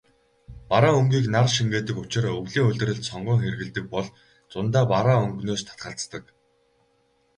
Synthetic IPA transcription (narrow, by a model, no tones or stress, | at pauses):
paɾaːɵŋɡʲiːknarʃiŋɡeːt̪ɘ̆kʊt͡ɕɪ̆rɵwɮiːŋɵɮʲt̪ɘ̆ɾɘ̆ɮt̪sɔɴɢʊːŋxerɣɘ̆ɮt̪ɘ̆k̚pɔɮ | t͡sʊnt̪aːpaɾaːɵŋɡnoːst̪ʰḁt̪̚ɢə̆ɬt͡st̪ə̆k